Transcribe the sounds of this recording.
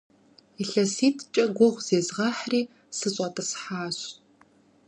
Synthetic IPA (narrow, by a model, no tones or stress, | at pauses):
iɬɐsiːtʰt͡ʃʼɐɡʷʊʁʷz̥eːzʁɑːħriː | sɨɕʼɐtʼɐsħaːɕ